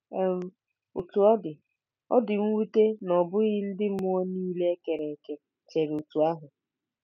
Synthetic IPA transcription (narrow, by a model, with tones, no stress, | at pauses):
e˦m̩˦ | u˨tu˨ɔ˦dɪ˨ | ɔ̰˦dɪ˨ŋ̩˦wu˦te˦nɔ˨bʊ˦ɣɪ˦n̩˦dɪ˦m̩˦ʊ˦ɔ˦niː˦le˦ke˨ɾe˨ke˨ | t͡ʃe˨ɾu˨tu˨a˦ɦʊ˨